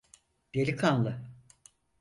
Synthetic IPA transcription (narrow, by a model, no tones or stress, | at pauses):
d̪̥elʲikʰanlˠɯ